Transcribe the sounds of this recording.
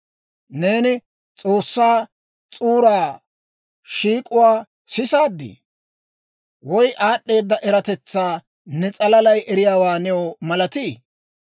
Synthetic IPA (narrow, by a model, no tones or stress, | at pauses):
ne̞ːnɪ | t͡sʼo̞ːsːaː | t͡sʼuːɾaː | ʃiːkʼʊwaː | sɪsaːd̪ːḭ | wɔjʔaːɗːe̞ːd̪ːɐʔɛɾɐt̪ɛt͡sːaː | nɛt͡sʼɐlɐlɐjʔɛɾɪjaːwaːnɛwɔmɐlɐt̪iː